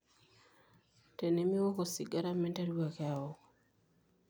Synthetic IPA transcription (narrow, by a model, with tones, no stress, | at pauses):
te˨ne˦mi˦wɔ˦ko˨si˨ɡa˦ɾa˦mɛ˦nta˦ɾu˦wa˨ka˨ɔ˨k